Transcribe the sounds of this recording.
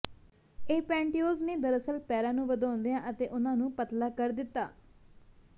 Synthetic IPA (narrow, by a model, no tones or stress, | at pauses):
eːpɛ̃ːɳʈioːzneːd̪əɾəsəlpɛːɾãːnũːʋəd̪ãːnd̪ejãːʔət̪eːʔʊnãːnũːpət̪laːkəɾd̪ɪt̪ːaː